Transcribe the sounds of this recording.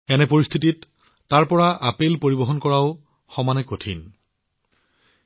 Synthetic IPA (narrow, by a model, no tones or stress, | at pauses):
ɛnɛpoɹist̪ʰititː | aɹpɔɹaʔapelpoɹibɔɦɔnkɔɹaʊ | xɔmanɛkotʰḭn